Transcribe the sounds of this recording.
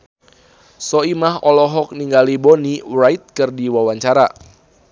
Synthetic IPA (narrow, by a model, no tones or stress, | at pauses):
sɔimahɔlɔɦɔk̚niŋɡalibonirajt̪̚kɨrdiwawaɲt͡ʃaɾa